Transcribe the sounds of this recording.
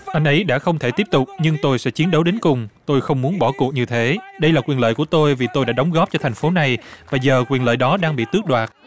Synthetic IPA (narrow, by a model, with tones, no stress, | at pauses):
ʔa˧jŋ̟ʔə˨˦jɗa̰ː˧˥xə˧wŋ͡mt̪ʰe˧˩t̪i˦˥əp̚t̪ʊ˨˩k͡p̚ɲɨ˧ŋt̪o˧jsɛ̰˧˥t͡ɕi˨˦ənɗə˨˦wɗe˨˦nkʊ˨˩ŋ͡mt̪o˧jxə˧wŋ͡mmu˨˦ənɓɔ˧˩ku˨˩ək̚ɲɨ˧t̪ʰe˨˦ɗə˧jlaː˨˩kwi˨˩nlə̰ː˧˨jku˧˩ət̪o˧jvi˨˩t̪o˧jɗa̰ː˧˥ɗə˨˦wŋ͡mɣɔ˦˥p̚t͡ɕɔ˧t̪ʰa˨˩jŋ̟fo˨˦na˨˩jvaː˨˩zəː˨˩kwi˨˩ənlə̰ː˧˨jɗɔ˨˦ɗaː˧ŋɓḭ˧˨t̪ɨ˦˥ək̚ɗwaː˨˩t̚